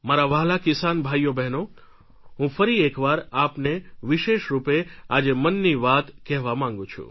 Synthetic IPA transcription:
maɾaʋaɦlakɪsanbʱajjobɛɦno | ɦũfəɾiekʋaɾapneʋiʃeʃɾupead͡ʒemənːiʋat̪kɛɦʋamãŋɡũt͡ʃʰṵ̃

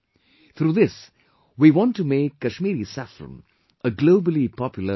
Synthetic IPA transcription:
t̪ʰɾuːðɪs | wiʋɔ̃ntːumeːkːəʃmiːɾisafɾə̰̃m | ʔəɡloʊbəlipʰɔpjl̩ˠə

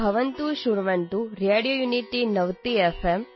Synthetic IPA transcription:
ɐʋənt̪uʃuɾʋənt̪uɾjeɽijojuniʈinɐʋt̪iefem

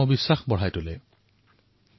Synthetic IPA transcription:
ɔbisːaxbɔɹ̤ajtʊlɛ

